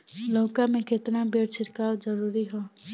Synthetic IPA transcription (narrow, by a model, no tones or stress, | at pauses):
loːkamẽket̪nabeɽt͡ʃʰiɾkawd͡ʒəɾuɾiɦõ